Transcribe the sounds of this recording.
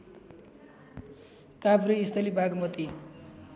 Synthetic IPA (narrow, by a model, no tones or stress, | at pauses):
kabɾiːst̪ʰʌlibʱaɡmʌt̪i